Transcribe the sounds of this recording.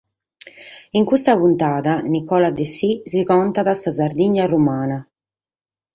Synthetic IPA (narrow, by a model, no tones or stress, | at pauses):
iŋkust̪apunt̪aːðanikɔːlad̪esizikɔnt̪aðasazaɾd̪iɲːarumaːna